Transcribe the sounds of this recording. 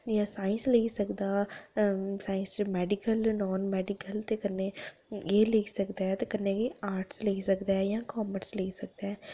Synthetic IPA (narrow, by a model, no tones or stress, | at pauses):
jãːsaːɪ̃nsləisəkd̪aː | saːɪ̃smɛːɖɪkəlnɔːnmɛːɖɪkəlt̪ekənːeːeːleɡsəkd̪aːɛt̪ekənːeːɡiaːɾʈsləisəkd̪aːɛjãːkɔːməɾsləisək̚d̪aɛː